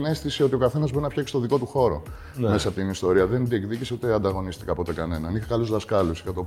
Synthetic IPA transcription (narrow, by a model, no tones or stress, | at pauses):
ne̞st̪isio̞t̪io̞kɐθe̞nɐzbo̞ɾinɐfçɐksi̥st̪oðiko̞t̪uxo̞ɾo̞̰ | mesɐpot̪inist̪o̞ɾiɐðe̞nd̪iekðiciseut̪eɐnd̪ɐɣo̞nist̪i̥kɐpo̞t̪e̞kɐne̞nɐnixɐkɐluzðɐskɐlusixɐt̪o